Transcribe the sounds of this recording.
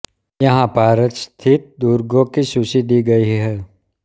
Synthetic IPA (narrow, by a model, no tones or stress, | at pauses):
jɐɦãpaːɾət̪st̪ʰɪt̪̚d̪uːɾɡõkiʃʊsid̪iːɡɐiɦɛː